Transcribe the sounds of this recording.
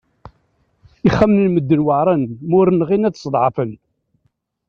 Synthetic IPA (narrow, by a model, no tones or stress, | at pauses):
iχːæmnəlməd̪ːənwəʕɾˤɑnmʊɾnʁinæðsˤd̪ˤʕɑfən